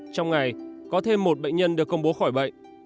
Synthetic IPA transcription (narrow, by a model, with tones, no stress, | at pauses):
t͡ɕɔ˧wŋ͡mŋa˨˩jkɔ˨˦t̪ʰe˧mːo˨˩t̚ɓə̰˧˨jŋ̟ɲə˧nɗɨ˨˩əkːə˧wŋ͡mɓo˨˦xɔ˧˩jɓə̰˧˨jŋ